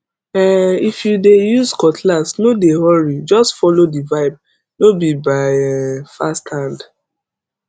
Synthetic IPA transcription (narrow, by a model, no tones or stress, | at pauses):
ɛifjudejuzkɔtʰlasnodehɔɹid͡ʒɔstfɔlodivaɪb̚ | nobibaɪɛfasthãnd